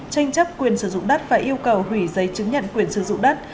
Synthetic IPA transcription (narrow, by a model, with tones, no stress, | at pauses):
t͡ɕa˧jŋ̟t͡ɕə˦˥p̚kwi˨˩ənsɨ˧˩zʊ̰˧˨ŋ͡mɗə˦˥t̚faː˨˩jʔi˧əwkə˨˩whwi˧˩zə˨˦jt͡ɕɨ˨˦ŋɲə̰˧˨nkwi˨˩ənsɨ˧˩zʊ̰˧˨ŋ͡mɗə˦˥t̚